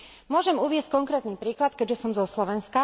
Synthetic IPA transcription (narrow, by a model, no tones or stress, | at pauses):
mʊɔʒɛmuʋɪɛsc̚kɔŋkɾɛːt̪niːpɾiːklat̪̚kɛʒɛsɔmzɔslɔʋɛnska